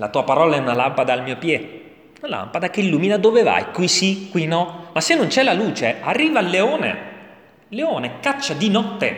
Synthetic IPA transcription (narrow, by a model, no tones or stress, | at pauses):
lat̪uːapaɾɔːlaɛunalampad̪aːlmiːopjɛ | unala̰mpad̪akeilːuːminad̪oveva̰jkwisikwinɔmasːenːont͡ʃɛlaluːt͡ʃearːiːvalːeɔːnḛ | leɔːnekat͡ʃːad̪inɔt̪ːḛ